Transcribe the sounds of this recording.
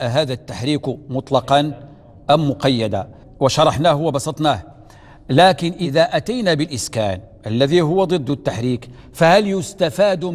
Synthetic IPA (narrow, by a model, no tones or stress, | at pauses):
ʔɦaːd̪at̪ːaħɾiːkmʊt̪ˤlɑqɑn | ʔæmːʊqɑjːæd̪a | wəʃɑɾˤɑħnahwbɑsˤɑt̪ˤnæh | læːkɪnʔɪðaʔæt̪ajnabəlʔɪskæ̰ːnʔəlːæðiɦʊwːad̪ˤɨd̪ːʊt̪ːaħɾiːk | fæhæljʊst̪afaːd̪